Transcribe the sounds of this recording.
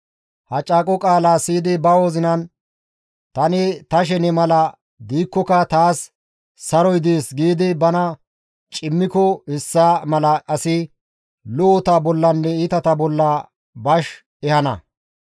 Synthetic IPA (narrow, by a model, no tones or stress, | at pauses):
hɐt͡ʃʼːaːkʼɔkʼaːlaːsiːd̪ɪbɐo̞ːzɪnɐn | t̪ɐnɪt̪ɐʃ̬ɛnɛmɐlɐ | d̪iːkːɔkɐt̪aːsː | ɐɾɔjd̪eːsɡiːd̪ɪbɐnɐ | t͡ʃʼɪmːɪkɔɪsːamɐlɐʔɐsɪ | lʊɔt̪ɐbɔlːɐnːɛit̪ɐt̪ɐbɔlːa | bɐʃ | ɛhɐnɐ̰